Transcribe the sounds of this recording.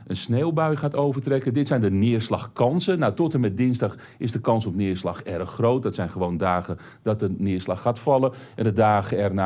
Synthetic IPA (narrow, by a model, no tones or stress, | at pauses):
ʔənsneːlˠbœɥχaːtowvərtrɛkəndɪtsɛjndənɪərslɑxkɑnsənawtɔtəmɛt̚dɪnzdɑχ | ɪzdəkɑnsɔpnɪəɹslɑxɛɾxːrowt̚dɔtsɛjnχəʋoːndaːɣə | d̥ɔt̚dənɪəslɑxːaːtfɑlˠəɛndədaːɣəɛrna